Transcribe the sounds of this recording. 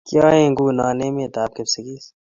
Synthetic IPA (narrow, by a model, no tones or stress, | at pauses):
kjaːẽːŋɡuːnaːneːmẽːt̪aːp̚kəpsɐɡiːs